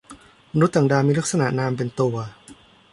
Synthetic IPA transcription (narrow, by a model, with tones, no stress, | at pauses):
ma˧nu˦˥t̪̚t̪ːa˨˩ŋdaː˧miː˧la˦˥k̚sa˧na̰˨˩ʔnaː˧mp̬e˧nt̪u˧ɐ